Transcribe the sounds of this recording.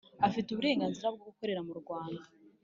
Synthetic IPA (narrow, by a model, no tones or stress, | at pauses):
afituβuɾe̞ːŋɡaːnziɾab̚ɡoɡuko̞ɾe̞ɾamuɾɡwaːnda